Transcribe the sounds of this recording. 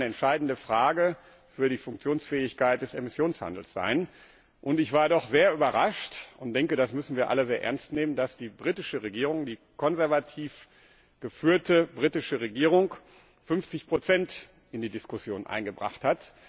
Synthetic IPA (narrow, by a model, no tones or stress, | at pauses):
nəɛntʃaɪdn̩dəfʁ̥aːɡə | fyːɐdiːfʊŋk̚t͡sjoːnsfɛːɪçkaɪt̚d̥ɛsemɪsjoːnsha̰ndl̩sz̥a̰ɪn | ʔʊntɪçv̥aːɐdɔχz̥eːɐʔyːbɐʁaʃtʔʊnt̚d̥ɛŋkədasmʏsn̩viːɐʔa̰ləzeːɐʔɛ̰ɐnstneːməndasd̥iːbʁitɪʃəʁeɡiːʁʊŋdiː | kɔnzɛɐvatʰiːf | ɡ̥əfyːɐtəbʁiːtɪʃəʁeɡiːʁʊŋk | fʏnft͡sɪçpʁ̥ot͡sɛnt | ʔɪndiːdɪskʊsjoːnʔa̰ɪnɡəbʁa̰χthat